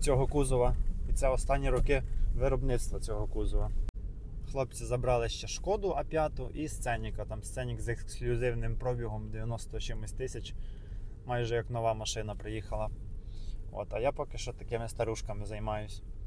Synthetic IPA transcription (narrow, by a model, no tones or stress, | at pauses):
t͡sʲɔɦɔkuzɔʋɐit̪sɛɔst̪ɑnʲːiɾɔkɪʋɪɾɔbnɪt̪st̪ʋɐt͡sʲɔɦɔkuzɔʋɐ | xlˠɔp̚t͡sʲizɐbɾɑlˠɪʃt͡ʃɛʃkɔd̪ʊʔɐpʲjɑt̪ʊʔist̪sɛnʲikɐt̪ɑmst̪sɛnʲikzeksklʲʊzɪwnɪmpɾɔbʲiɦɔmd̪eʋʲjɐnɔst̪ɔt͡ʃɪmʊsʲt̪ɪsʲɐt͡ʃ | mɑjʒɛjɐknɔʋɑmɐʃɪnɐpɾɪjixɐlˠɐ | o̰t̪ɐjapɔkɪ̥ʃɛt̪ɐkɪmɪst̪ɐɾuʃkɐmɪzɐjmɑjʊsʲ